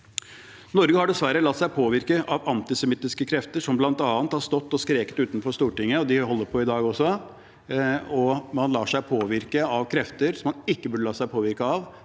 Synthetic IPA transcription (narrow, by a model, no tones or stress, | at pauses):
nɔɾɡəhɑɖɛsʋæɾːəlɑt̪ːsæɪpʰoːʋɪɾkəʔɑʋɑnt̪ɪsɛmɪt̪ːɪskəkʰɾɛft̪əʂɔmblɑnt̪ɑːnt̪hɑɾst̪ɔt̪ːɔskɾeːkət̪ʉːt̪nfɔʂt̪uːʈɪŋːəɔd̪ɪɦɔlːəɾpʰɔɪd̪ɑːɡɔsɔ | ɔmɑnlɑːʂæɪpʰoːʋɪɾkəɑʋkʰɾɛft̪əɾsɔmːɑnɪkːəbʉɖəlɑːsæɪpʰoːʋɪɾkəɑʋ